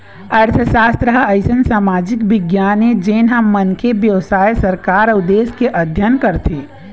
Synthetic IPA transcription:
əɾt̪ʰəsaːst̪ɾəɦɐɪsənsaːmaːd͡ʒɪkbɪɡjaːned͡ʒeːnɦəmːənkʰebjəʋsaːjesəɾkaːɾəʊd̪eːskeʔɐd̪ʱjənkəɾt̪ʰeː

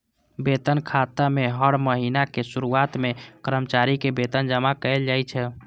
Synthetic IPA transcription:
bet̪ənkʰat̪ameɦəɽməɦinakesuɾuat̪mekəɾəmt͡ʃaɾikebet̪ənd͡ʒəmakəɪld͡ʒajt͡ʃʰɛ

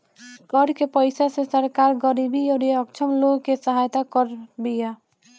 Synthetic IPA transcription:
kɔɾkepəɪsasesəɾkaɾɡəɾibioɾeəkt͡ʃʰəmloɡkesəɦajt̪akəɾbija

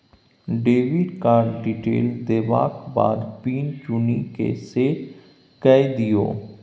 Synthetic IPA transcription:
ɖeːʋɪɖkaːɾɖɖiʈḛːld̪eːʋa̰ːkba̰ːd̪piːnt͡ʃʊnikḛse | kɛjd̪ijo̰ː

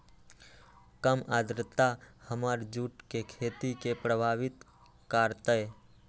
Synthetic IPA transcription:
kəmaːd̪ɾət̪ahəmaːɾd͡ʒuːʈkekʰeːt̪ikepɾəbʱaːʋɪt̪ | kaːɾt̪əe

